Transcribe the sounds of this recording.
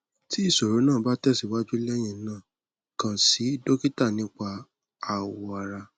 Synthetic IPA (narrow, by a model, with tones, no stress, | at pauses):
ti˦i˦˨so˨ɾo˨˦nãː˦˨ba˦tɛ˦˨si˨wa˦d͡ʒu˦lɛ˦j̃ĩ˧˦nãː˦˨ | kã˨si˨˦i˦˨do˦ki˦ta˦˨nĩ˨˦k͡pa˧ | a˨wɔ˧a˧ɾa˧